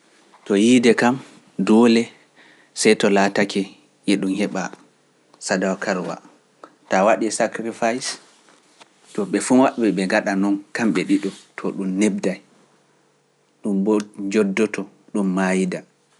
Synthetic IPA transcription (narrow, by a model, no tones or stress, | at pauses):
tɔjidɛkam | dɔlɛ | sɛjtɔlatakɛ | ʔɛɗumhɛɓa | sadawkʰaɾwa̰ | tawaɗɛsakɾifajs | tɔɓɛfuwaʔbɛɓɛŋɡaɗanɔnkamɓɛɗiɗɔtʰɔɗumneb̚daj | ɗumbd͡ʒɔdːɔtɔ | ɗumːajida